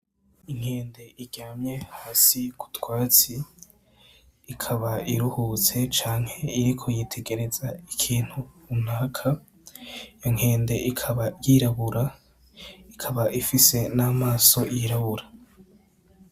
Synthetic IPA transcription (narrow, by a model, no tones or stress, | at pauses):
iŋ̥he̞ːnde̞ʔiɡaːmɲe̞haːsiku̥twaːt͡si | kʰaβaiɾuhuːt͡se̞t͡ʃaːŋ̥he̞iɾikʰo̞jitʰe̞ɡe̞ɾe̞z̥aikʰiːn̥hu | umnaːkʰa | ijoŋ̥he̞ːnde̞ʔikʰaβajiɾaβuɾa | ikʰaβaʔifise̞naːmaːso̞jiɾaβuɾa